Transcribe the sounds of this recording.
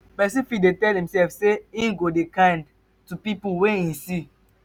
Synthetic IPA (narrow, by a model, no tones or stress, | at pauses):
pɛs̬ĩnfidetɛlhĩmsɛlfseĩnɡodekãnd | tupipuwɛ̃ĩsi